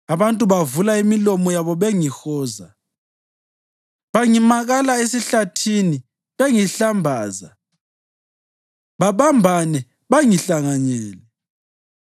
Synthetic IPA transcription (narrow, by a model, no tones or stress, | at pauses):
aβantʼuβavulaimilɔmɔjaβɔβeŋixɔːza | βaŋimaɣalaesiɬatʰini | βeŋiɬambʱaːza | βaβambʱanɛ | βaŋiɬaŋaɲɛːlɛ